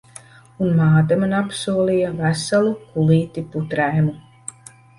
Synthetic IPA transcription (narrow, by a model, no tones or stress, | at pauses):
unmaːt̪amanapsuɔlˠijavæsalˠukuliːt̪iput̪ɾæjmu